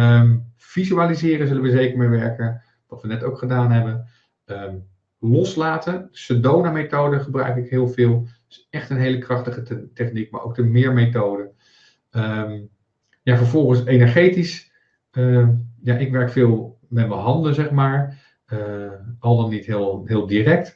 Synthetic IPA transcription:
əm | v̥izyaːlizɪːɾəzɵlənʋəzejkəɹmejʋɛɹkən | ʋɑtʋənɛtowkχədaːnɦɛbən | əm | lɔslaːtənsədownametowdəχəbrœ̰ɥkɪkɦɪːlˠvɪːlˠd̥ɵsɛχtənɦejləkrɑχtəχətɛχnik̚ma̰ɹʔo̰wk̚dəmɪːɹmejtowdə | əm | javəɹvɔlˠχənsejnɛɹχejtis | əjaʔɪkʋɛɹkfɪːlˠmɛtməɦɑndəzɛχmaːɹ | əʔɑlˠdɑnitɦɪːlˠɦɪːlˠdirɛk̚t

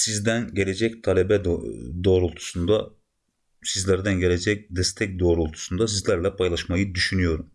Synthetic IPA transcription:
sizd̪ænɟe̞lʲe̞d͡ʒɛct̪ʰalʲebɛd̪d̪oːɾulˠt̪ʰu̥sund̪a | sizlʲæɾd̪ænɟe̞lʲed͡ʒɛc̚d̪ɛst̪ʰɛc̚d̪o̞ːɾulˠt̪ʰu̥sund̪as̬izlʲæɾlʲɛpʰajlˠaʃmajɯd̪yʃynyjo̞ɾum

